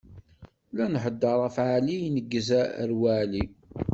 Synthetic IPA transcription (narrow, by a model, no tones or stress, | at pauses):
lænħəd̪ːɑɾˤæfʕalijnəɡːəzæə̰ɾwæʕli